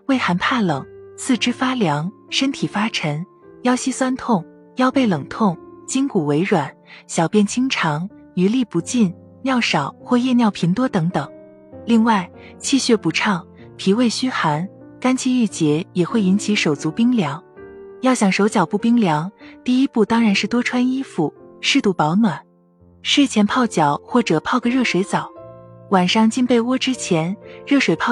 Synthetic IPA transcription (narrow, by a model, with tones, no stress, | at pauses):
we˥˩ɪxa˧˥npʰa˥˩lɤ˨˩˦ŋt͡sʰɹ̩˥˩ʈ͡ʂɻ̩˥fa˥ljɑ˧˥ŋʂə˥nt̪ʰi˨˩fa˥ʈ͡ʂʰə˧˥n | jɑ˥ʊɕi˥swa˥nt̪ʰʊ˥˩ŋ | jɑ˥˧ʊpe˥˩ɪlɤ˨˩ŋt̪ʰʊ˥˩ŋt͡ɕi˥ŋku˨˩we˧˥ɪɻwa˨˩˦nɕjɑ˨˩ʊpjɛ˥˩nt͡ɕʰi˥ŋʈ͡ʂʰɑ˧˥ŋ | y˧˥li˥˩pu˧˥t͡ɕi˥˩n | njɑ˥˩ʊʂɑ˨˩ʊxwɔ˥˧jɛ˥˧njɑ˥˩ʊpʰi˧˥nt̪wɔ˥t̪ɤ˧˥ŋt̪ɤ˨˩˦ŋ | li˥˧ŋwa˥˩ɪ | t͡ɕʰi˥˧ɕɥɛ˥˩pu˧˥ʈ͡ʂʰɑ˥˩ŋ | pʰi˧˥we˥˩ɪɕy˥xa˧˥n | ka˥nt͡ɕʰi˥˧y˥˩t͡ɕjɛ˧˥jɛ˨˩xwe˥˩ɪi˧˥nt͡ɕʰi˧˥ʂo˨˩ʊt͡su˧˥pi˥ŋljɑ˧˥ŋjɑ˥˩ʊɕjɑ˨˩ŋʂo˧˥ʊt͡ɕjɑ˨˩ʊpu˥˩pi˥ŋljɑ˧˥ŋt̪i˥˩i˥pu˥˩t̪ɑ˥ŋɻa˧˥nʂɻ̩˥˩t̪wɔ˥ʈ͡ʂʰwa˥ni˥fu˨˩ʂɻ̩˥˧t̪u˥˩pɑ˧˥ʊnwa˨˩˦n | ʂɻ̩˥˩t͡ɕʰjɛ˧˥npʰɑ˥˩ʊt͡ɕjɑ˨˩˦ʊxwɔ˥˩ʈ͡ʂɤ˨˩pʰɑ˥˩ʊɡə˧ɻɤ˥˩ʂwe˧˥ɪt͡sɑ˨˩˦ʊwa˨˩nʂɑ˥˧ŋt͡ɕi˥npe˥˩ɪwɔ˥ʈ͡ʂɻ̩˥t͡ɕʰjɛ˧˥nɻɤ˥˩ʂwe˨˩ɪpʰɑ˥˩